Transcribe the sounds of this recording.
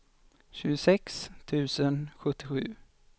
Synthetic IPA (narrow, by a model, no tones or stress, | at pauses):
ɕʉ̟ːɡʊsɛkst̪ʰʉ̟ːsənɧɵt̪ːɪɧʉ̟ː